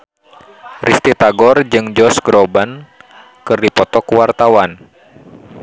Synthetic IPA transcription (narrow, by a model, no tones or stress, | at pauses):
rist̪it̪aɡɔrd͡ʒɨŋd͡ʒɔsɡɾɔban | kɨrdipɔt̪ɔkuwart̪awan